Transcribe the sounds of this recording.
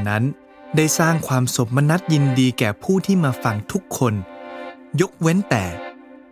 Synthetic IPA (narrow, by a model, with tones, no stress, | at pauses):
na˦˥n | da˥˩jsaː˥˩ŋkʰwaː˧mso˨˩˦p̚ma˧na˦˥t̪̚ji˧ndiː˧kɛː˨˩pʰuː˥˩t̪ʰiː˥˩maː˧fa˧ŋt̪ʰu˦˥kʰːo˧n | jo˦˥k̚we˦˥nt̪ɛː˨˩